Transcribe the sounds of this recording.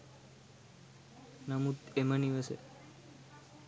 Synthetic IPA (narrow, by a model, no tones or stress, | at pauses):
namut̪eməniʋəsḛ